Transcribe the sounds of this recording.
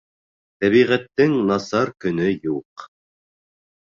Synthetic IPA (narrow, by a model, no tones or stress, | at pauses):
t̪æβiʁæt̪ːɘŋnɑsɑɾkɵ̆nɵjuq